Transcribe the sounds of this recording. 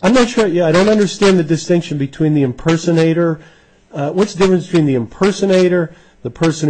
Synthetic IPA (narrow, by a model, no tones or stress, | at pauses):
ãɪ̃mnətʃʊɹjæaɪɾõʊ̃ntʌ̃ndə˞stæ̃nðɨdɨstɪ̃ŋkʃɨ̃n̩bɨtʰw̥ĩnðiɨ̃mpʰɜ˞sɨneɪɾə˞ | wʌtsd̥ɪfɹɨ̃nstʰw̥ĩnðiɨ̃mpʰɜ˞sɨneɪɾə˞ | ðəpʰɜ˞sɨ̃n̩